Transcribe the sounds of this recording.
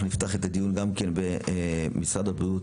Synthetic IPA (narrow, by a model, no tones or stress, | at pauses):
unift̪aχet̪ad̪ijunɡamkenbemisʁadabiut